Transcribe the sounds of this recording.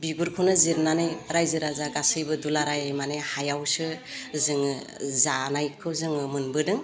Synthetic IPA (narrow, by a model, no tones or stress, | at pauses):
biɡuɾkʰɯnɯziɾnanɯjɾajzɯɾazaɡasɯjbɯdulaɾajajmanehajawsɯzɯŋ | zanajkʰɯwzɯŋɯmɯnbɯdɯŋ